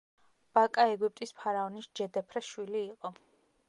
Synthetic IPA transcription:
b̥akʼaɛɡup̚ʼt̪ʼispʰaɾaɔnisd͡ʒɛd̪ɛpʰɾɛʃwiliːqʼɔ

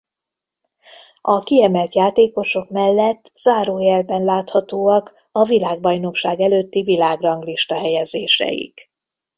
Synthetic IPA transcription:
ʔɒkiɛmɛlt̪jaːt̪eːko̞ʃo̞kmɛlːɛt̪ːz̥aːɾoːjɛlbɛnlaːt̪hɒt̪oːɒk | ɒvilaːɡ̚bɒjno̞kʃaːɡɛløːt̪ːivilaːɡrɒŋɡliʃt̪ɒɦɛjɛzeːʃɛ̰jḭk

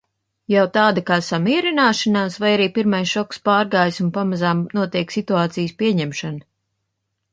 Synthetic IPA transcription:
jawt̪aːd̪akaːsamiɛɾinaːʃanaːsvajaɾiːpiɾmajsʃɔkspaːɾɡaːjsunpamazaːmnuɔt̪iɛksit̪uaːt̪sijspiɛɲɛmʃan

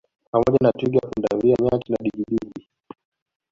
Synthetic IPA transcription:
pamɔʄanatiɡiafunda̰viamɛakinaɗiɡiɗiɡi

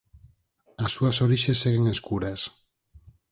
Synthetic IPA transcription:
asuasoɾiʃeseɣeŋeskuɾes

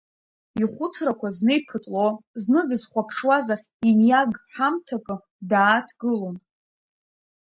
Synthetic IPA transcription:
iχʷʊt͡sʰrakʷaznejpʰɨtʼloznɨdɨzχʷapʰʂwazaχʲinjaɡħamtʰakʼɨ | daːtʰɡɨlom

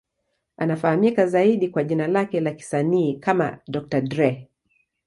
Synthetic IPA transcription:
anafahamikazaiɗikwaʄinalakɛlaki̥saniːkama̰ɗɔk̚tadɾɛ

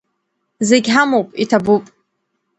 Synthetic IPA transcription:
zeɡʲħamowpʼitʰabupʼ

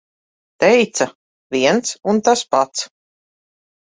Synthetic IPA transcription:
t̪ɛjt̪sa | viɛnt̪sunt̪aspat̪s

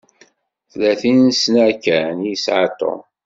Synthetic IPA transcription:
θlæθinsnækːænjəsʕat̪ːo̰

